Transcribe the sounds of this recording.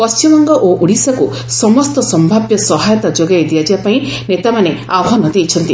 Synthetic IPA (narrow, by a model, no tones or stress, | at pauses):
pɔst͡ʃimɔŋɡɔʔoʔuɽisaku | sɔmɔst̪ɔsɔmbʱabjɔsɔɦajɔt̪ad͡ʒoɡajd̪iad͡ʒibapaĩnet̪amaneawɦɔnɔd̪ejt͡ʃʰɔnt̪i